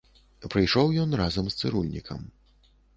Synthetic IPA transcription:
pɾɨjʂɔwjɔnrazɐmst̪sɨɾulʲnʲikʰɐ̰m

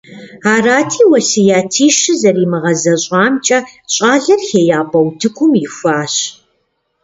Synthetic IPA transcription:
aːraːtʰiːwɐsɨjaːtʰiːʃɨzɐriːmɨʁɐzɐɕʼɑːmt͡ʃʼɐɕʼɑːɮɐrxeːjaːbɐwtʰɨkʷʰʼʊmjɪfʷaːɕ

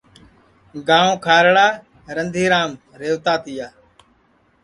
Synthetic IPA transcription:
ɡãːõːkʰaːɾɽaː | ɾənd̪ʱiːɾaːm | ɾeːʋt̪aːt̪ɪjaː

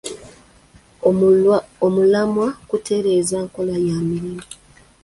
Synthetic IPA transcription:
omulamwakutʰe̞ɾe̞zaːŋko̞lajamiɾimu

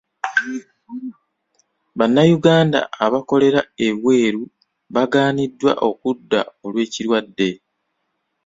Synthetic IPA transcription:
βanːajuɡaːnda̰aβako̞le̞ɾae̞βwe̞ːɾu | βaɡaːnidːwa̰ʔo̞kudːa̰o̞lwe̞ːciɾwadːe̞

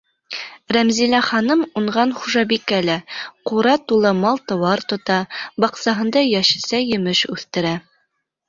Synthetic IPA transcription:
ɾæmzilæχɑnɤmuɴɢɑnχuʒɑbikælæquɾɑt̪ulˠɤmɑlˠt̪ɤ̆wɑɾt̪ŏt̪ɑbɑqsɑɦɤ̆nd̪ɑjæʃɘ̥̆sæjɘ̆mɘʃʉθt̪ɘ̆ɾæ

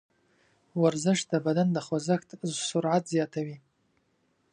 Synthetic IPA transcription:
warzɨʂdʰabadandaχʷazɨxtʰzsurʕatʰziatʰaɥi

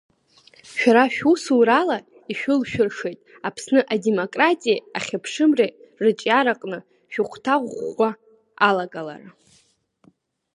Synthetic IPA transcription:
ʃᶣaɾaʃᶣusuɾala | iʃᶣʊlʃᶣʊrʂe̞jtʼ | apʰsnɨʔademokʼratʼijaaχʲapʰʂɨmre | rɨt͡ʃʼjaɾaqʼnɨ | ʃᶣʊqʷʰtʰaʁʷa | alaɡala̰ra

